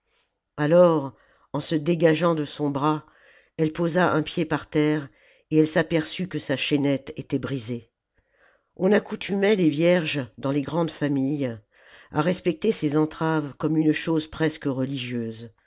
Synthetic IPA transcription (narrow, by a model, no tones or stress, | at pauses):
alɔʁ | ɑ̃səd̪eɡaʒɑ̃d̪əsɔ̃bʁa | ɛlpozaʔɛ̃pjepaʁt̪ɛːʁ | eɛlsapɛʁsykəsaʃɛnɛt̪et̪ɛbʁize | ɔ̃nakut̪ʰymɛlevjɛʁʒd̪ɑ̃leɡʁɑ̃d̪famij | a̰ʁɛspɛk̚t̪esezɑ̃t̪χavkɔmynʃozpχɛskəʁəliʒjøːz